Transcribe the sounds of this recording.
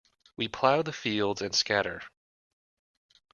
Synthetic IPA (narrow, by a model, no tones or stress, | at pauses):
wipʰl̥aʊðɨfilˠdzɨ̃nskæɾə˞